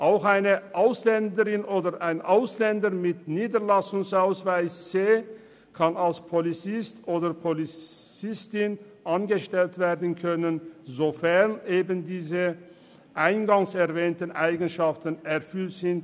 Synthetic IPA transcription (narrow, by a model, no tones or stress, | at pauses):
ʔaʊxaɪnəʔaʊslɛndəʁɪnʔoːdəʁʔaɪnʔaʊslɛndəʁmɪtniːdəʁlasʊŋsaʊsv̥aɪsz̥eː | kʰanalspʰolit͡sɪstʔoːdəʁpʰolit͡sɪstɪn | ʔanɡəʃtɛltv̥eːʁdən̩kʰœnənzofɛʁnʔeːbəndiːzə | ʔaɪnɡaŋsɛʁvɛːntən̩ʔaɪɡən̩ʃaftənɛʁfʏltz̥ɪnt